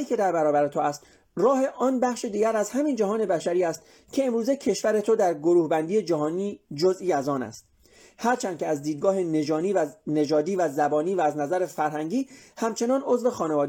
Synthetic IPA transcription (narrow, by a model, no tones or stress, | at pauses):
iːkʲʰe̞d̪æɾbæɾɒːbæɾet̪ʰoæst̪ | ɾɒːhe̞ʔɒːnbæxʃed̪iːɡæɾæzhæmind͡ʒæɦɒːne̞bæʃæɾiːæst̪ | cʰe̞ːmɾuːzecʰe̞ʃvæɾe̞t̪ʰo̞d̪æɾɡo̞ɾuːhbænd̪iːe̞d͡ʒæɦɒːniːd͡ʒo̞zʔiːæzɒːnæ̰st̪ | hæɾt͡ʃʰænd̪kʰʲeæzd̪iːd̪̚ɡɒːhe̞ne̞d͡ʒɒːniːvæne̞ʒɒːd̪iːvæzæbɒːniːvæːznæzæɾe̞fæɾɦæŋɟiːhæmt͡ʃʰe̞nɒːno̞zve̞xɒːne̞vɒːd̪e